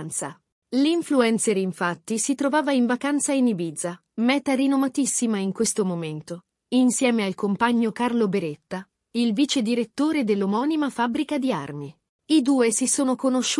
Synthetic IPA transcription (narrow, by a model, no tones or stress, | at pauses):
nt̪sa | liɱfluɛnt̪seɾiɱfat̪ːisit̪ɾovaːvaiɱvakant̪sainibiːd̪za | mɛːt̪aɾinovat̪isːimaiŋkwest̪omoment̪o | insjɛːmealkompaɲːokarlobeɾet̪ːa | ilviːt͡ʃed̪iɾet̪ːoːɾed̪elːomɔːnimafabːɾikad̪ia̰rmi | id̪uːesisoːnokonoʃː